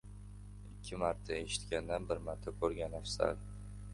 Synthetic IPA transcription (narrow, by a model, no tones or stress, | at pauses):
ɪkʲʰːɪmaɾt̪ʰae̞ʃɪ̥t̪kʲand̪anbɪɾmaɾt̪ʰːakʰɵɾɡʲanafsa̰ɾ